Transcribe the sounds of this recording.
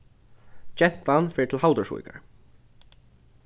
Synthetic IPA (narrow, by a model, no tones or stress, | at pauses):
t͡ɕɛn̥t̪anfɛːɪt̪ʰɪlɦalt̪əsṵjka̰ɹ̥